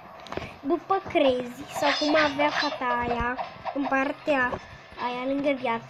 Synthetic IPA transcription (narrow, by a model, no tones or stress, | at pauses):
bupːəkɾezisɔkumaveafat̪aːjaəmpart̪eaː | jalɨŋɡəvja